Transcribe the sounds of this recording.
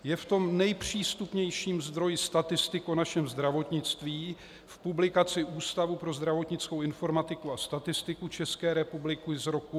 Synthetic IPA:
jɛft̪o̞mnɛjpr̝̥iːst̪upɲɛjʃiːmzd̪ɾo̞jɪst̪at̪ɪst̪ɪkonaʃɛmzd̪ɾavo̞t̪ɲɪt͡st̪viː | fpublɪkat͡sɪʔuːst̪avupɾo̞zd̪ɾavo̞t̪ɲɪt͡sko̞wɪnfo̞ɾmat̪ɪkuast̪at̪ɪst̪ɪkut͡ʃɛskɛːɾɛpublɪkɪzɾoku

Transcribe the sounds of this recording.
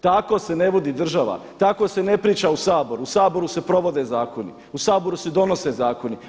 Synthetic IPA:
t̪ako̞se̞ne̞ʋod̪iːd̪r̩ʒaʋa̰t̪ako̞se̞ne̞pɾiːt͡ʃausaːboɾuusaːbo̞ɾusepɾo̞ʋo̞d̪e̞ːzaːko̞nḭ | usaːbo̞ɾuse̞d̪o̞no̞se̞zaːko̞ni

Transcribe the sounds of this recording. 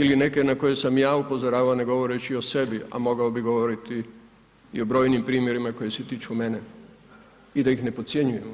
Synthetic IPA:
iline̞ke̞nako̞je̞samjaːupo̞zoɾaːʋaoneɡo̞ʋo̞ɾet͡ɕio̞se̞bia̰mo̞ɡaobiɡo̞ʋo̞ɾit̪i | ḭo̞bɾo̞ːjnimpɾiːmje̞ɾimako̞jeset̪iːt͡ʃume̞ne | id̪aixne̞pot̪sje̞ɲuju

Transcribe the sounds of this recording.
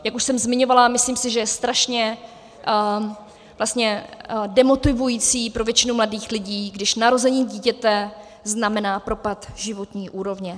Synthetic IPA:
jakuʃsɛmzmɪɲo̞valamɪsliːmsɪʒɛjɛst̪ɾaʃɲɛ | vlast̪ɲɛdɛmo̞t̪ɪvujiːt͡siːpɾo̞vjɛt͡ʃɪnumladiːxlɪɟiːɡdɪʃnaɾo̞zɛɲiːɟiːcɛt̪ɛ | znamɛnaːpɾo̞pat̪ʒɪvo̞t̪ɲiːʔuːɾo̞vɲɛ

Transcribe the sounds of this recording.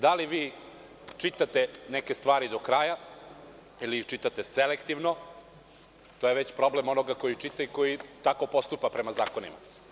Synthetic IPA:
d̪aliʋiː | t͡ʂit̪at̪eneke̞st̪ʋaːɾid̪okɾaja | iliixt͡ʃit̪at̪eselekt̪iʋno | t̪oːje̞ʋet͡ɕpɾo̞ble̞mo̞noɡako̞jit͡ʂit̪aiko̞jit̪ako̞po̞st̪upapɾe̞mazaːko̞nḭma̰

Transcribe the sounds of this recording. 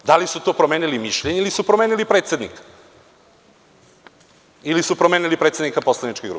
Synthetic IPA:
d̪alisut̪o̞ːpɾomeːnilimiʃʎeɲeilisupɾomeːnilipɾet̪sʲe̞d̪nḭkḁ | ilisupɾomeːnilipɾet̪se̞d̪nikapo̞slˠanit͡ʃkeɡɾṵp

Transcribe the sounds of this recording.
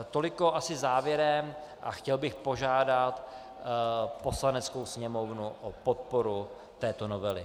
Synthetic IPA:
t̪o̞lɪko̞ʔasɪzaːvjɛɾɛmʔa̰xcɛlbɪxpo̞ʒaːdat̪ | po̞slanɛt͡skowsɲɛmo̞vnuʔopo̞t̪̚po̞ɾu | t̪ɛːt̪o̞no̞vɛlɪ

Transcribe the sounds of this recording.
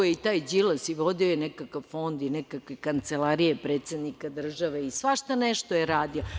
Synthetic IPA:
ojeit̪aːjd͡ʑilasiʋo̞d̪iojenɛkakaʋfo̞nd̪inɛkakʋekant̪selaɾijepɾeːt̪sed̪nikad̪r̩ʒaʋeisʋaʃt̪aneʃt̪ojeɾaːd̪io

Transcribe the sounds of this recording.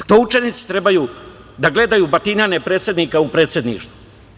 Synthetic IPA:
t̪out͡ʃenit̪si̥t̪ɾe̞bajuː | d̪aɡle̞d̪ajuːbat̪inanepɾe̞ːt̪sje̞d̪nikaupɾeːt̪sje̞d̪nḭːʂt̪vu

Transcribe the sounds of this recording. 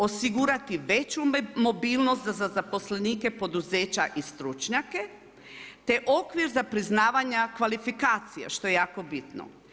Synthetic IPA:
o̞siɡuɾat̪iʋet͡ɕumo̞biːlˠnost̪zazazapo̞sleniːke̞po̞d̪uzeːt͡ɕaʔist̪ɾut͡ʃɲake̞ | t̪eʔo̞kʋiɾzapɾiznaːʋaɲakʋalifikaːt̪sija̰ʃt̪o̞jejaːko̞bit̪no̰

